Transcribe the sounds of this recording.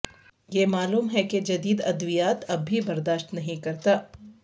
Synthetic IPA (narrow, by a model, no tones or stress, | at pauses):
jeːmaːluːmɦɛked͡ʒɐd̪iːd̪ɐd̪ʋijaːt̪ɐbʱːibɐɾd̪aːʃʈ̪nɐɦĩkɐɾt̪aː